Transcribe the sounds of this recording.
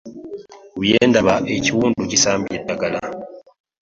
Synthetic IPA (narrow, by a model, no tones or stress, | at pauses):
wijeːndaβaʔeciwuːnducisaːmbiedaɡala